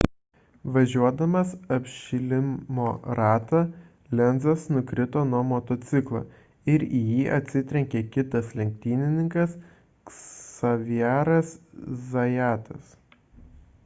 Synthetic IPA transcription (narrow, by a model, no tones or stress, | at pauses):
ʋɐʒʲuɔd̪ɐmɐsɐpʲʃʲɪlʲɪmmoːɾɑːt̪ɐ | lʲɛnd̪zɐsnʊkɾʲɪt̪oːnuɔmot̪oːt̪sʲɪklˠɐ̰ː | ɪɾijiːʔɐt̪ʲsʲɪt̪ʲɾʲɛŋʲkʲeːkʲɪt̪ɐslʲɛŋʲk̚ʲt̪ʲiːnʲɪnʲɪŋkɐs | sɐʋʲijæːɾɐszɐjæːt̪ɐ̰s